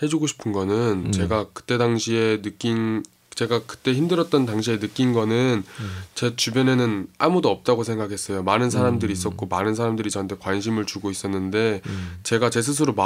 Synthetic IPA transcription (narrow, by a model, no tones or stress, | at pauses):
he̞d͡ʑuɡoɕʰi̥pʰɯnɡʌnɯnt͡ɕe̞ɡakɯ̥t͈e̞daŋɕʰie̞nɯk͈in | t͡ɕe̞ɡakɯ̥t͈e̞çimdɯɾʌt̚t͈ʌntaŋɕʰie̞nɯk͈inɡʌnɯnt͡ɕet͡ɕubjʌne̞nɯnamudoʌp̚t͈aɡosʰe̞ŋɡakʰe̞s͈ʌjomanɯns̬ʰaɾamdɯɾiːs͈ʌt̚k͈omanɯnsʰaɾamdɯɾit͡ɕʌntʰe̞kwanɕʰimɯɭt͡ɕuɡois͈ʌnːɯnde̞t͡ɕe̞ɡat͡ɕe̞s̬ʰɯs̬ʰɯɾoma